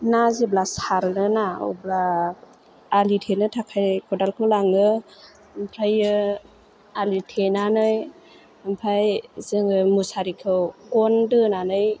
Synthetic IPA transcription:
nazeblasaɾnɯnao̰bla | litʰenɯtʰakʰajkʰɔdalkʰɯwlaŋɯ | mpʰɾajɯ | alitʰenanɯj | ampʰajzɯŋɯmusaɾikʰɯwkɔndɯnanɯj

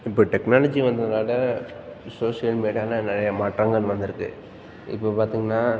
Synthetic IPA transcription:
ɪpːoːʈɛknaːlɐd͡ʒiʋɐnd̪ɯnɐnaːɽɐ | soːʂɪjɐlmeːɽijaːnɐnɛɾɐjɐmaːʈɾɐŋɡɐɭʋɐnd̪ɯɾɯkːɯ̰ | ɪ̰pːoːpaːɾt̪iːŋɡɐnːaː

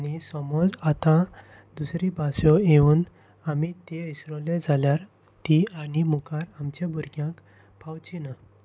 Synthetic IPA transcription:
anisɔmɔd͡zat̪ã | d̪usɾibʱasɔeuːn | amit̪eisɾɔled͡zʱaljaɾ | t̪ianimukaɾamt͡ɕabʱuɾɡjãk | pawt͡ɕina

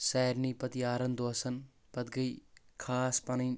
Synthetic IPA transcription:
sɛːɾnipɐt̪iaːɾɐnd̪oːsɐn | pɐt̪ɡɐikʰaːspanɐjn

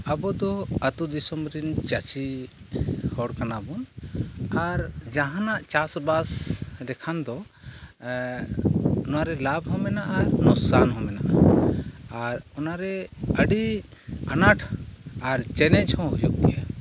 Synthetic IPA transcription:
əbɔd̪ɔət̪ud̪isɔmɾint͡ʃat͡ʃi | hɔɽkanabɔn | aɾd͡ʒãɦãnaʔt͡ʃasbasd̪ɛkʰand̪ɔ | nɔwaɾɛlabɦɔ̃mɛnaʔanɔsanɦɔ̃mɛna̰ʔa | aɾɔnaɾɛəɖi | anaʈʰaɾt͡ʃɛnɛt͡ʃʰɔ̃ɦujṵʔd̪ɛja

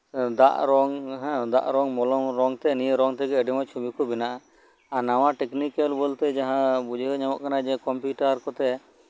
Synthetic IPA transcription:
d̪a̰ʔɾɔŋɦɛ̃d̪a̰ʔɾɔŋmɔlɔmɾɔŋt̪ɛnijɾɔŋt̪ɛɡɛɛɖimɔt͡ʃʰubikubinaʔa | anawaʈɛknikɛlbɔlt̪ɛd͡ʒaɦãbud͡ʒʱɦəɲamɔʔkanad͡ʒɛkɔmpjuʈaɾkɔt̪ɛ

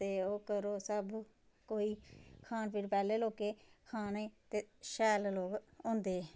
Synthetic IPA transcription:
eːoːkəɾoːsəb | koːiːkʰaːnpʰɪɾpɛːleːloːkeːkʰaːneːt̪eːʃɛːlloːɡõːnd̪eː

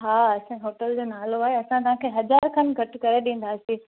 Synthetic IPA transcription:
ɦaːɐsãɦoːʈəld͡ʑoːnaːloaːɦeɐsãt̪̬ɐɦãkʰeːɦɐzaːɾkʰɐnɡʱɐʈʊkɐɾeɗĩːn̆d̪aːsĩː

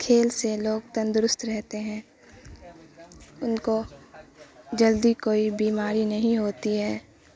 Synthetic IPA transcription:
kʰeːlseloːɡt̪ə̃nd̪ʊɾʊst̪ɾɛɦt̪eɦɛ̃ː | ʊnko | d͡ʒɐld̪ikoːibiːmaːɾinɐɦĩɦoːt̪iɦɛː

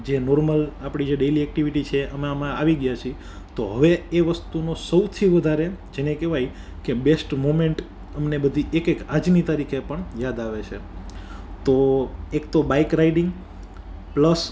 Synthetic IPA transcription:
d͡ʒenoɾməlapɽ̃id͡ʒeɖeliɛk̚ʈiʋiʈit͡ʃʰeʔəmeəmãaʋiɡjat͡ʃʰi | t̪oɦəʋeeʋəst̪unosəwt̪ʰiʋəd̪ʱaɾed͡ʒenekeʋaj | kebesʈmomeɳʈ | əmnebəd̪ʱiekekad͡ʒnit̪aɾikʰepəɳjad̪aʋet͡ʃʰe | t̪oekt̪obaikɾaiɖiŋɡ | pləs

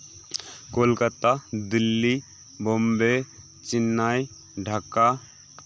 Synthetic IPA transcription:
kolkət̪ad̪ilːi | bombe | t͡ʃinːaj | ɖʱakːa

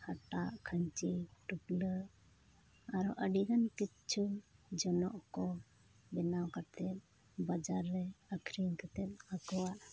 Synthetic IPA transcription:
haʈaʔkʰəɲt͡ʃiʈuplə | aɾɔʔəɖiɡanki | t͡ʃʰud͡ʒɔnɔʔkɔ | bɛnawkat̪ɛp̪̚ | bad͡ʒaɾɾɛəkʰɾiŋkat̪ɛt̪̚akɔwaʔ

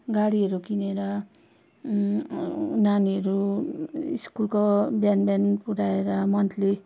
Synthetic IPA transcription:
ɡaɽiʌɾukineɾʌ | naniɦʌɾu | iskulkobjanbjanpuɽaeɾʌmʌnt̪le

